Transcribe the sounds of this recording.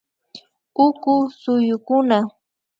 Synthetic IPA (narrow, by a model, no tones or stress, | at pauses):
ʊkʊsʊjʊkʊna